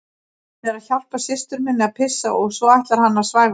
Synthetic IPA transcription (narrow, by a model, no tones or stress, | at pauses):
θɛɾaðçal̥pasɪst̪ʏɾmɪnːɪaðpʰɪsːaʔɔɣsvɔajht̪laɾ̥hanːasvaːjv